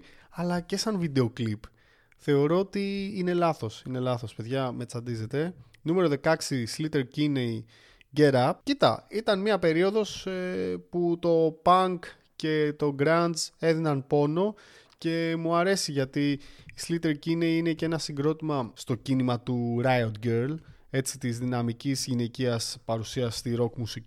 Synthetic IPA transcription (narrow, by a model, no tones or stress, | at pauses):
ɐlɐce̞sɐnvid̪e̞o̞klip | θe̞o̞ɾo̞ot̪iine̞lɐθo̞sine̞lɐθo̞spe̞ðʝɐme̞t͡sɐnd̪ize̞t̪e̞ | nume̞ɾoðe̞kɐksislit̪e̞ɾcinei | ɟe̞ɾɐpcit̪ɐ̰it̪ɐnmiɐpe̞ɾio̞ðo̞seput̪o̞pɐŋk | ce̞t̪o̞ɡɾɐnze̞ðinɐnpo̞no̞ | ce̞muɐɾe̞siʝɐt̪iːslit̪e̞ɾcineiinece̞nɐsiɡɾo̞t̪imɐst̪o̞cinimɐt̪uɾɐjot̪ɟeɾl | e̞t͡sit̪izðinɐmicizʝine̞ciɐspɐɾusiɐst̪iɾo̞kmusii